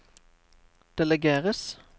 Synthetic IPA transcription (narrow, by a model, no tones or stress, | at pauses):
d̪̥ɛləɡeːʁəs